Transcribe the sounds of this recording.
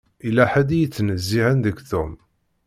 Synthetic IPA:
ilæħæd̪ijət͡sːnəzːiʕənðəɡθum

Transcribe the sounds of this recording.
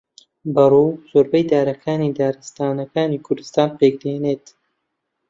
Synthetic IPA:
bɐruːz̥oːɾbɐjd̪aːɾɐkʰaːnid̪aːɾɨst̪aːnɐkaːniːkʰʊɾd̪ɨst̪aːnpeːk̚d̪eːneːt̪

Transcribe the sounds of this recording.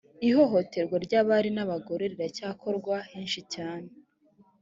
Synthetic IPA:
iho̞ɦo̞te̞ɾɡwaɾɟaβaɾinaβaɡoɾeɾiɾacaːkʰo̞ɾɡwaheːnʃicaːne

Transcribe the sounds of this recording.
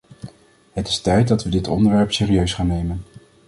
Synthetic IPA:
ɦətɪ̥stɛjt̚dɑtʋədɪtɔ̰ndəɹʋɛɹpseːriøɥsχaːnːejmən

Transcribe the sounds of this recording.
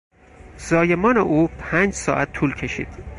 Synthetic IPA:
z̥ɒːje̞mɒːneʔuːpʰæːnd͡ʒsɒ̰ːʔæt̪ʰːuːlkʰe̞ʃḭːd̪̥

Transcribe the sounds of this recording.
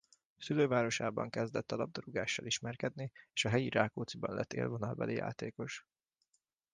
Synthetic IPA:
syløːvaːɾo̞ʃaːbɒ̰ŋkɛzd̪ɛt̪ːɒlɒb̚d̪oɾuɡaːʃːɒliʃmɛrkɛd̪nieːʃɒɦɛjiɾaːkoːt̪sibɒnlʔɛt̪ːḛːlvo̞nɒlbɛ̰lʔija̰ːt̪eːko̞ʃ

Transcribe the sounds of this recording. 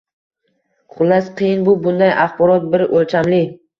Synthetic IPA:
qʰʊlˠːasqʰɨjɪnbʊbʊnd̪ajʔaχbɒɾɒt̪̚bɪɾʔolt͡ʃamlɪ

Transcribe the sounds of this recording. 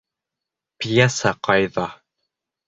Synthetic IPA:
pijasaqɑjðɑ

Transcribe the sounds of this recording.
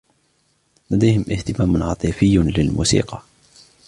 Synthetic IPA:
lad̪ajhɪmʔɪht̪ɪmaːmʊnʕɑt̪ˤɨfɪjːlɪlmṵːsḭːqɑ

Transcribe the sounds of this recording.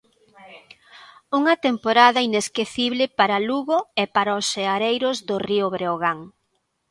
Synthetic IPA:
uŋɐt̪empoɾaðɐineskeθiβlɪpaɾɐluɣʊɛpaɾaoseaɾejɾʊzðʊriʊβɾeoɣaŋ

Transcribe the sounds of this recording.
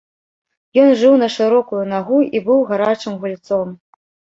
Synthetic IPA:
jɔnʐɨwnɐʂɨɾɔkujunaɣuibɨwɣaɾat͡ʂɨmɣulʲt̪sɔm

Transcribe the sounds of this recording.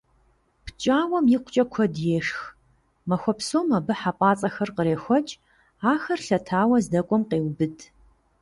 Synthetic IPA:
pʰt͡ʃʼaːwɐmjiːqʷʊt͡ʃʼɐkʷʰɔdjeːʂx | mɐxʷɔpsoːmɐbɨħapʼaːt͡sʼɐxɐrqəɾeːxʷɔt͡ʃʼ | aːxɐrɬɐtʰaːwɐzdɐkʷʼɔmqeːwbɨdʰ

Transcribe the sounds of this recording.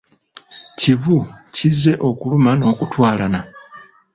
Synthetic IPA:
civucizːe̞ʔo̞kulumano̞ːkutwaːlana

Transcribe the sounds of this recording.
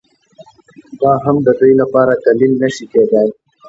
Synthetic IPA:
d̪ɑːɦamd̪əd̪əjlapɑːɾat̪alimnəʃiked̪aj

